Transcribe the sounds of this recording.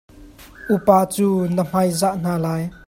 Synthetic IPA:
ʔupaːt͡suːnəm̥ɐjzaʔn̥aːlaːj

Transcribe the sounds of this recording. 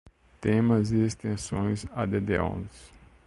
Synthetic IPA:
t̪ẽmɐzɪest̪ẽsõj̃zad̪ed̪eõ̰ns

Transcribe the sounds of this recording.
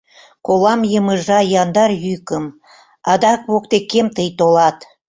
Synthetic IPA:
kolɑmjəməʒɑjɑnd̪ɑrjykəm | ɑd̪ɑk̚βok̚t̪ekːemt̪əjt̪olɑt̪

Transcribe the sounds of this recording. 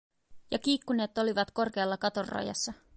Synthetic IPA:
jɑkiːkːune̞ːt̪o̞liʋɑt̪ko̞rke̞ɑlːɑkɑt̪o̞rrɑ̰jɑ̰sːɑ

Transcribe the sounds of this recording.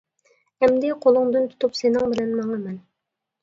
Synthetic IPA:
ɛmd̪ɪqʰolˠʊŋd̪ɨnt̪ʰu̥t̪ʰupsenɪŋbɪlɛnmɑŋəmɛn

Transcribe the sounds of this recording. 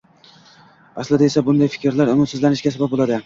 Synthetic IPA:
aslɪd̪aesabʊnd̪ajfɪ̥kʲɾlaɾʊmʊt̪sɪzlanɪʃɡʲasabap̚bolˠad̪ɪ

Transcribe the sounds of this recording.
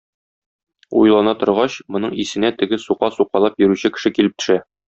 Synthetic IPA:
ṵjlˠɑnɑt̪ŏɾʁɑɕmŏnɤɴisɘ̆næt̪ɘ̆ɡɘsuqɑsuqɑlˠɑpjɵ̆ɾʉɕɘkɘ̥̆ʃɘkilɘp̚t̪ɵ̥̆ʃæ

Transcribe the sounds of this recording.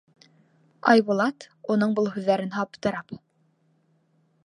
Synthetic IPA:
ɑ̰jβŭlˠɑt̪unɤɴbɤlˠhʉðːæɾɘnɦɑpt̪ɤ̆ɾɑp

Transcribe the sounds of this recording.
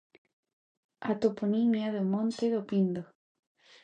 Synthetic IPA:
at̪oponimjaðemont̪eðopind̪o

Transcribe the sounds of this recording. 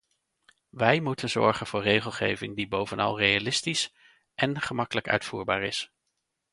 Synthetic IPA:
ʋɛjmutənzɔ̰ɹχənvʊːɹrejχəlˠχejvɪŋdibowvənɑ̰lˠrejalɪstis | ʔɛnχəmɑkələkœ̰ɥtfṵːɹba̰ːɹɪs

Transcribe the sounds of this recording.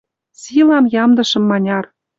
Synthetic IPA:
silɑmjɑmd̪ɤ̆ʃɤ̆mːɑnʲɑr

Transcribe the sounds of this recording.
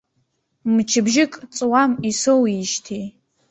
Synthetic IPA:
mt͡ʃʰɨbʒɪkʼt͡sʼwamisowiʃtʰij

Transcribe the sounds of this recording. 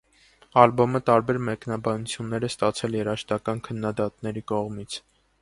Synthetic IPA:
ɑlbɔmət̪ɑɾbɛɾmɛknɑbɑnut͡sʰjunːɛɾɛst̪ɑt͡sʰɛljɛɾɑʃt̪ɑkɑnkʰənːɑd̪ɑt̪nɛɾikɔʁmit͡sʰ

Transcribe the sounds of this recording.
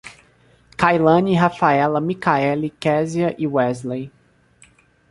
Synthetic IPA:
kajlɐ̃niɦafaɛlɐmikaɛlikɛziɐʔɪwɛzlej

